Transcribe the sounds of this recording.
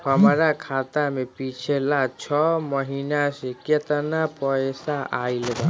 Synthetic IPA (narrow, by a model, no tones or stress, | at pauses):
həmɾakʰat̪amepit͡ʃʰelat͡ʃʰɔməɦinaseket̪ənapəjsaʔailba